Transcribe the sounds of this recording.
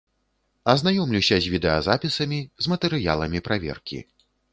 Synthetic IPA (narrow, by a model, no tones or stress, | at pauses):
ɐznajɔmlʲiwsʲɐzʲvʲid̪ɛɐzapʲisɐmʲizmɐt̪ɛɾɨja̰lˠɐmʲipɾavʲɛ̰rkʲḭ